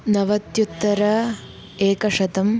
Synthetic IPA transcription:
nɐʋɐt̪jut̪ːɐɾɐ | eːkɐʂɐt̪ɐm

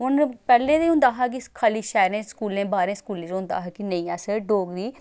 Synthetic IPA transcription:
ʊnpɛːlẽːd̪eʊnd̪aːɦaːk̬ikʰaːliːʃɛːɾẽːskuːlẽːbaːɾẽːskuːlẽːd̪ʊnd̪a̰ːɦaːkinəĩːɛːsəɖoːɡd̪iː

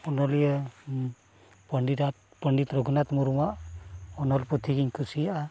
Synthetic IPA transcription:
ɔnɔlijə | pəɳɖidat̪̚ | pəɳɖit̪ɾɔɡʱɔnat̪muɾumaʔɔnɔlput̪ʰiɡiɲkʰusijaa

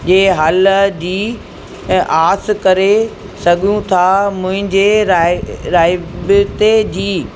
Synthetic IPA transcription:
d͡ʑeːɦɐld͡ʑiː | aːs̆kɐɾe | sɐɡʱijũt̪ʰamʊ̃ɦɪ̃ɲd͡ʑeɾaɾaːɪbɪt̪ed͡ʑiː

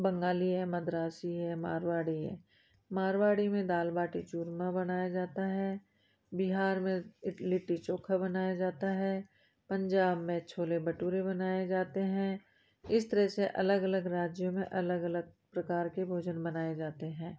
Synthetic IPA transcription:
bɐ̃ŋɡaːliɦɛ̃mɐd̪ɾaːsiɦɛ̃ma̰ːɾwaːɽiɦɛ̰̃ | maːɾwaːɽimẽd̪aːlbaːʈit͡ʃuːɾmãbɐnaːjad͡ʒaːt̪aɦɛː | bɪɦaːɾmẽlɪʈːit͡ʃoːkʰabɐnaːjad͡ʒaːt̪aɦɛː | pə̃ɲd͡ʒaːbmẽt͡ʃʰoːlebɐʈuːɾebɐnaːjed͡ʒaːt̪eɦɛ̃ | ɪst̪əɾəseʔɐ̰ləɡɐləɡɾaːd͡ʒjomẽʔɐləɡɐləɡ̚pɾɐkaːɾkebʱoːd͡ʒənbɐnaːed͡ʒaːt̪eɦɛ̃ː

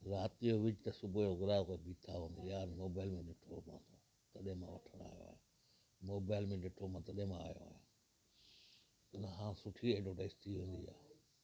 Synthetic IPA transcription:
ɾaːt̪ijoʋɪd͡ʒt̪ɐsʊbojoːɡʊɾaːkobiːt̪ʰaɦõːnd̪ijaːɾmoːbaːɪlmẽɖɪʈʰomã̰ːt̪ʰo | t̪ɐɗẽmã̰ʋɐ̰ʈʰəɽ̃a̰ːjo̰a̰ːɦe | moːbaːɪlmẽɖɪʈʰoːmãt̪ɐɗẽmãa̰ːjo̰a̰ːɦe | ɪnaɦãːsʊʈʰieɖoːʈaɪst̪ʰiɦẽːnd̪ḭːja̰ː

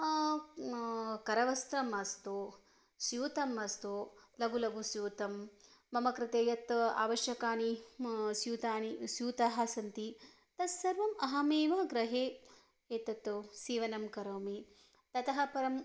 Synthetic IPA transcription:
kɐɾɐʋɐst̪ɾɐmɐst̪u | sjuːt̪ɐmɐst̪ulɐɡulɐɡusjuːt̪ɐmːɐmɐkɾɪt̪eːjɐt̪a̰ːʋɐʃjɐkaːnisjuːt̪aːnisjuːt̪aːɦɐsɐnt̪i | t̪ɐsːɐɾʋɐmɐɦɐmeːʋɐɡɾɐɦeː | eːt̪ɐt̪ːusiːʋɐnɐmkɐɾoːmi | t̪ɐt̪ɐɦɐ̆pɐɾɐm

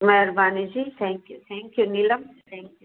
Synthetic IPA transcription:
mɛɦɾbaːnid͡ʒiːt̪ʰɛ̃ːŋkjut̪ʰɛ̃ːŋkjuniləmt̪ʰɛ̃ːŋkju

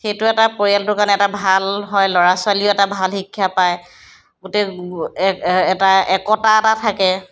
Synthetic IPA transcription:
xetʊɛtapoɹialtʊkanɛɛtabʱalɦɔjlɔɹaswaliɔɛtabʱalhikʰːjapaj | ɡʊte | ɛtaɛkɔtatatʰakɛ

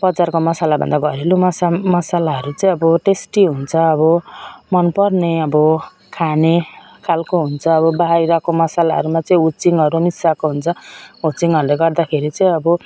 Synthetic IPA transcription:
pʌd͡zarkomʌsalabʱʌ̰nd̪aɡʱʌɾilumʌsamʌsalaɦʌɾut͡sʌĩʌbʌʈesʈiɦunt͡sʰʌːbʌmʌnpʌrneʌbʌ | kʰane | kʰalkoɦunt͡sʰʌːbʌbaɦaɾiɾʌkomʌsalaɦʌ̰ɾumat͡sʌĩut͡siŋʌɾunisakoɦunt͡sʰʌut͡siŋʌɾuleɡʌrd̪akʰeɾit͡sʌĩʌbʌ

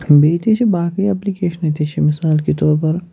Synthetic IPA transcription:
beːit̪et͡ʃʰebaːkiɛplikeːʃənet̪eːt͡ʃʰemɪsaːlket̪ɔːɾpɐɾ

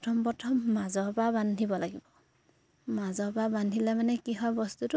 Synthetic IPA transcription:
tʰɔmpɔtʰɔmːazɔbabandʱibɔlaɡibɔ | mazɔbabandʱilɛmanɛkiɦɔbɔstutʊ

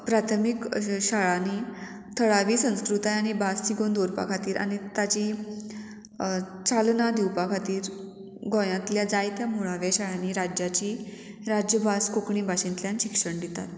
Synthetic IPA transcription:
pɾat̪ʰəmikɕaɭani | t̪ʰəɭaʋiːsə̃w̃skɾut̪ajaɽ̃ibast͡ɕiɡond̪oɾpa̰kʰat̪iːɾʔa̰ɽ̃it̪at͡ɕi | t͡salnad̪iwpakʰat̪iːɾ | ɡõjãt̪ljad͡zajt̪jamuɭaʋjaɕaɭaniɾad͡ʑjat͡ɕiː | ɾad͡ʑjəbʱaskokɳibʱaɕĩnt̪ljãnɕikʂəɳd̪it̪a̰t̪̚

